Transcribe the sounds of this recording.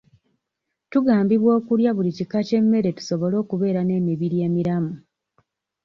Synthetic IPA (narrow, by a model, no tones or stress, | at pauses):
tuɡaːmbiβwo̞ːkuljaβulicikace̞mːe̞ɾe̞tu̥so̞βo̞lo̞ːkuβe̞ːɾane̞ːmiβiɾje̞ːmiɾamu